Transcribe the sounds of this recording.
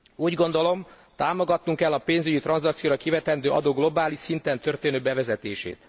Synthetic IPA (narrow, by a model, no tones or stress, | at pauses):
uːɟɡo̞nd̪o̞lo̞m | t̪aːmo̞ɡɒt̪nuŋkɛlːɒpeːnzyɟit̪rɒnzɒkt̪sijoːɾɒkivɛt̪ɛnd̪øːʔɒ̰d̪oːɡlo̞baːliʃsint̪ɛnt̪ø̞rt̪eːnøːbɛvɛzɛt̪ḛːʃḛːt̪